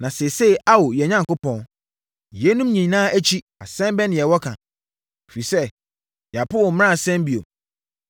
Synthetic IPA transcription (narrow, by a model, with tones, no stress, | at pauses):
nã˨se˨se˦˨ʔa˦wo˨jɛ˨ɲã˦ŋkʊ˦pɔ̃˦n˨ | jɛ˦nũ˦mɲĩ˨nãː˦ʔæ˦t͡ɕʰi˦ | a˨sɛ̃˦mbɛ˦nɪ̃˨jɛ˨wɔ˦kʰã˨ | e˨fi˨sɛ˦ | ja˨pʊ˦ɔ˨m̃˦ã˦˨sɛ̃˦m˦bi˨o˨